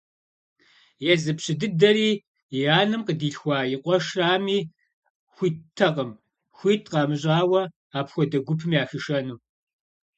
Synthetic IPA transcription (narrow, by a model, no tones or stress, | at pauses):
jɛzɨpɕɪdɨdɐɾiː | jaːnɨmqədiːɬxʷaːjɪqʷʼɔʂraːmiː | xʷiːtʰːɐqʼəm | xʷiːtʰqɑːmɨɕʼaːwɐ | aːpxʷɔdɐɡʷʊpʰɨmiaːxɨʂɐnuː